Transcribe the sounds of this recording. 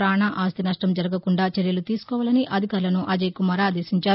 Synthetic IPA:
ɾaːɳaːʔaːst̪inɐʂʈɐmd͡ʒɐɾɐɡɐkuɳɖaːt͡ʃɛɾjɐlut̪iːsu̥kɔːʋaːlɐniʔɐd̪ʱikaːɾlɐnuʔɐd͡ʒɐjkumɐɾaːd̪eːsiɲt͡ʃaːɾu

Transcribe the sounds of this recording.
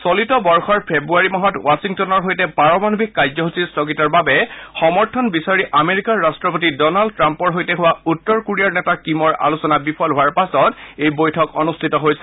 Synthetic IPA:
solitɔbɔɹxɔɹpʰebuaɹimɔɦɔtwasiŋtɔnɔɹɦojtɛpaɹɔmanubʱikkːajzɔɦusistʰɔkitɔɹbabɛxɔmɔɹtʰɔnbisaɹiʔameɹikaɹːastɹɔpotidɔnaldtɹampɔɹɦojtɛɦʊwautːɔɹkuɹiaɹnɛtakimɔɹʔa̰lusɔnabipʰɔlɦʊwaɹpasɔtejbojtʰɔkɔnustʰitɔɦojsɛ̥

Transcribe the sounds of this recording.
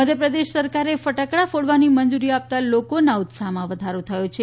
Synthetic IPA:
məd̪ʱjəpɾəd̪eʃsəɾkaɾefəʈakɽafoɽʋanimənd͡ʒuɾiap̚t̪alokonaʊt̪saɦmãʋəd̪ʱaɾot̪ʰəjot͡ʃʰe

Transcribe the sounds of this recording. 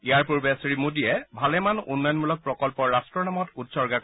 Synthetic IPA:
ijaɹpuɹbɛsɹimodijɛbʱalɛmanṵnːɔjɔnmulɔk̚pɹɔkɔlpɔɹastɹɔnamɔtutsɔɹɡak

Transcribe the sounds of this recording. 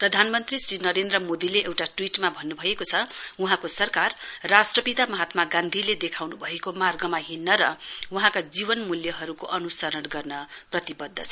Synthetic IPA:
prʌd̪ʱanmʌnt̪risɾinʌɾend̪rʌmod̪ileʔewʈaʈwiʈmabʱʌnːubʱʌekot͡sʰʌuɦãkosʌrkarːasʈrʌpit̪amʌɦat̪maɡãnd̪ʱiled̪ekʰawnubʱʌekomarɡʌmaɦinːʌɾʌwuɦãkad͡zibʌnmuljʌɦʌɾukoʔʌnusʌɾʌnɡʌrnʌprʌt̪ibʌd̪ʱːʌt͡sʰʌ

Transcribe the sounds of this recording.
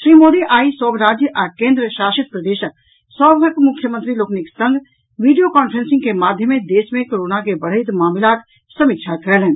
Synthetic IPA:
ʃɾimod̪iʔaisəbʱɾad͡ʒjəʔakẽnd̪ɾəʃasit̪̚pɾəd̪eʃək̚ | səbɡʱəkmukʰːjəmənt̪ɾilokniksə̃ŋɡ | ʋiɖijokɔnpʰɾensĩŋɡkemad̪ʱjəmed̪esmekoɾonakebəɽ̤ɦəɪt̪mamlak | səmik̚t͡ʃʰakəɾelɛn

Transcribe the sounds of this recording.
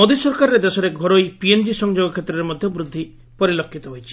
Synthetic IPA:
mod̪isɔɾkaɾɔɾed̪esɔɾeɡʱɔɾojpiend͡ʒisɔŋd͡ʒoɡɔkʰet̪ːɾɔɾemɔd̪ʱjɔbɾud̪ʱːi | pɔɾilɔkʰːit̪ɔɦojt͡ʃʰi̥

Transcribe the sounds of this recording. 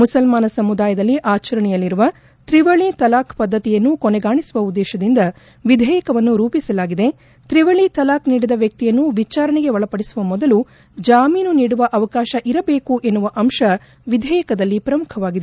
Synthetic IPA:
musɐlmaːnɐsɐmud̪aːjɐd̪ɐlːiʔaːt͡ʃɐɾɐɳɛjɐlːiɾuʋɐ | t̪ɾiʋɐɭit̪ɐlaːkpɐd̪ːɐt̪ijɐnːukɔneɡaːɳisuʋɐud̪ːɛːʃɐd̪ind̪ɐ | ʋid̪ʱɛːjɐkɐʋɐnːuɾuːpisɐlaːɡid̪e̞ | t̪ɾiʋɐɭit̪ɐlaːkniːɽid̪ɐʋjɐk̚t̪ijɐnːuʋit͡ʃaːɾɐɳɛɡe̞ʋɔɭɐpɐɽisuʋɐmɔd̪ɐlu | d͡ʒaːmiːnuniːɽuʋɐʔɐʋɐkaːʃɐʔiɾɐbe̞ːkuʔe̞nːuʋɐʔɐmʃɐ | ʋid̪ʱɛːjɐkɐd̪ɐlːipɾɐmukʰɐʋaːɡid̪e

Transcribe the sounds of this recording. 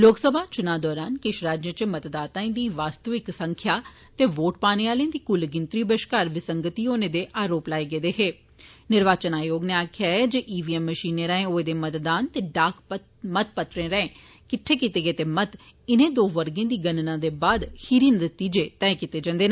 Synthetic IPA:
loːksəbʱaːt͡ʃʊnãːd̪ɔːɾaːnkɪʃɾaːd͡ʒjət͡ʃəmət̪d̪aːt̪ãːĩːd̪iːʋaːst̪əʋɪksəŋkʰjaː | t̪eːʋoːʈpaːneːaːlẽːd̪iːkʊlɡɪnt̪ɾiːbəʃkaːɾʋɪsəŋɡət̪iːɦoːnẽːd̪eːʔaːɾoːplaːeɡeːd̪eːɦeː | nɪɾʋaːt͡ʃənaːjoːɡneːaːkʰjaːɛːd͡ʒeːʔiːʋiːɛmːəʃiːnẽːɾɛ̃ːẽːoːeːd̪eːmət̪d̪aːnt̪eːɖaːkʰ | mət̪̚pət̪ɾẽːɾəẽː | kɪʈʰːeːkit̪eːɡeːt̪eːmət̪ | ɪnẽːd̪oːʋəɾɡẽːd̪iːɡənnãːd̪eːbaːd̪hiːɾiːnəɾt̪iːd͡ʒeːt̪ɛːkit̪eːd͡ʒə̃nd̪eːnaː

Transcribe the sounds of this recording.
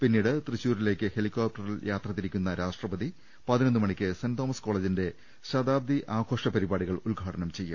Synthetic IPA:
pinːiːɽɨt̪riɕːuːɾile̞ːkʲːɨhelikʲːoːp̚ʈɐriljʔaːt̪rɐt̪ːiɾikʲːunːɐɾaːʂʈrɐbɐði | pɐðinɐnːɨmɐɳikʲːɨsɐnd̪oːmɐsko̞ːɭed͡ʑinde̞ | ɕɐd̪aːb̚d̪iʔaːɡʰʱo̞ːʂɐpɐɾibaːɽiɣɐɭulɡʱaːʈɐɳɐmt͡ɕe̞jːum

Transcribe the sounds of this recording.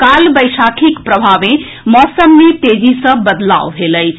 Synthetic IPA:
kalbəjsakʰikpɾəbʱaʋẽ | mɔsəmːet̪ed͡ʒisə̃bəd̪la̰wbʱeləjt͡ʃʰ

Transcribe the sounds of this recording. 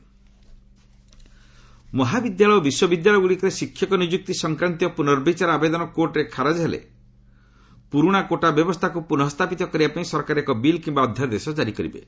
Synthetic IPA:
mɔɦabid̪jaɭɔjɔbiswɔbid̪jaɭɔjɔɡuɽikɔɾesikʰːjɔkɔnid͡ʒuk̚t̪isɔŋkɾant̪ijɔpunɔɾbit͡ʃaɾabed̪ɔnɔkoɾʈɾekʰaɾad͡ʒɦelḛ | puɾuɽ̃akoʈabjɔbɔst̪ʰakupunɔɦɔst̪ʰapit̪ɔkɔɾibapaĩsɔɾkaɾekɔbilkimbaɔd̪ʱːjaɾd̪esɔd͡ʒaɾikɔɾḭbḛ

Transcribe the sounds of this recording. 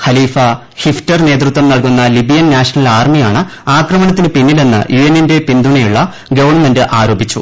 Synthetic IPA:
xɐliːfɐ | hiftɐrne̞ːt̪rut̪ʋɐmnɐɭkunːɐlibijɐnnaːʂɐnɐlaːrmijaːɳɨ | aːkrɐmɐnɐt̪ːinɨpinːile̞nːɨ̰jʔuːenːinde̞pind̪uɳɐjuɭːɐ | ɡɐʋɐrɳːmendɨʔaːɾo̞ːbit͡ɕːṵ

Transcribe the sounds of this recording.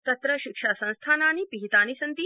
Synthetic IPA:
t̪ɐt̪ɾɐʃikʂaːsɐ̃ñst̪ʰaːnaːnipiɦit̪aːnisɐnt̪i

